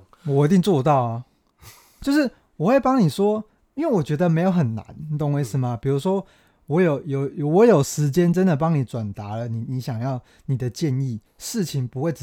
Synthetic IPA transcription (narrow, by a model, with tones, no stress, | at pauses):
wɔ˨˩i˧t̪i˥˧ŋt͡swɔ˥˧t̪ɑ˥˨ʊa˩ | t͡ɕjo˥˧ʊʂɻ̩˥˩ | wɔ˨xwe˥˩ɪpɑ˥ŋni˨˩ʂwɔ˦˥ | i˥nwe˥˩ɪwɔ˨˩t͡ɕɥɛ˧˥d̪ə˨me˧˥ɪjo˧˦ʊxə˨˩nːa̰˨˧˦n˨t̪ɔ˥˧ŋwe˥˧ɪʂ̩˥˩mɐ˨pi˨˩ɻu˧˥ʂwɔ˦˥ | wɔ˧˦˥jo˨˩ʊjo˨˩ʊjwɔ˧˦jo˨˩ʊʂɻ̩˧˥t͡ɕjɛ˦nʈ͡ʂə˦nd̪ə˨p̬ɑ˥ŋni˨˩ʈ͡ʂwa˨˩nt̪a˧˥lə˦ni˨˩ni˨˧˦ɕjɑ˨˩ŋjɑ˥˨ʊ | ni˨˩d̪ə˦t͡ɕjɛ˥˧ni˥˨ | ʂɻ̩˥˨t͡ɕʰi˨˦ŋpu˧˦we˥˩ɪʈ͡ʂ